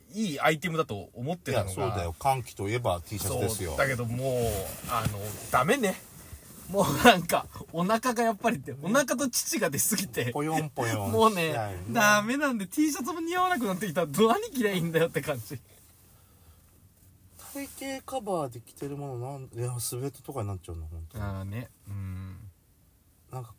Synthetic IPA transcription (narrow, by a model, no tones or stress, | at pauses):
iːait̪e̞mɯd̪at̪o̞̰omo̞t̪ːet̪anosoaːd̪a̰jokãŋkʲi̥t̪oie̞ba̰t̪ʲʰiːɕasod̪esɨjo̰d̪ake̞d̪o̞mo̞ːanod̪̥ame̞ne̞ | mo̞ːnãŋka̰onakaɡajapːaɾʲit̪ːeo̞nakat̪̬o̞t͡ɕi̥t͡ɕiɡad̪e̞sɨɡʲit̪e̞pojompojmmo̞ːne̞d̪ame̞nãnd̪e̞t̪iːɕ̬at͡sɨmo̞ɲ̟iaβanak̬ɯ̟nat̪ːekit̪aɾad̪o̞naɲ̟ik̬ʲiɾaĩnd̪ajo̞t̪ːe̞kãɲ̟d͡ʑi | t̪ʰait̪e̞ːkabaːd̪e̞kʲi̥t̪e̞ɾɯ̟mo̞nonãnjasɨβe̞t̪ːo̥t̪o̞kaɲinatːt͡ɕːaɯnahõ̞nt̪oaːne̞ɯ̟̃ɴ | nãŋkḁ